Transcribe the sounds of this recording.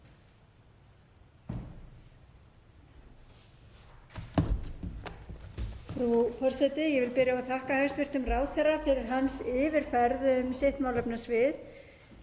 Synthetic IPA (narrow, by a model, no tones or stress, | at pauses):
fɾufɔr̥sɛt̪ɪjɛvɪlpɪɾjaaθahkahœɥst̪vɪr̥t̪ʏmraːwðθɛrːafɪɾɪɾ̥ɦansɪːvɪɾ̥fɛɾðʏʏmsejht̪maːwlœpnasvɪð